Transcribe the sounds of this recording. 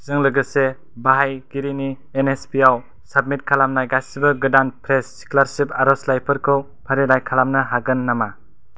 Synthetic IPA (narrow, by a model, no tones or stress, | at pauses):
z̥ɯŋlɯɡɯse | baɦajɡiɾini | enespiaw | sab̚mit̚kʰalamnajɡasibɐɡɯdanpʰɾesːi̥kʰlaɾsipaɾɔslajpʰɯɾkʰɯw | pʰaɾilajkʰalamnɯɦaɡɯnːama